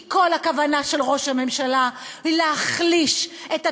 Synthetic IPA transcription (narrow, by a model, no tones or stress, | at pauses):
ko̞lakavanaʃe̞lʁo̞ʃhame̞mʃalaileaχliʃeta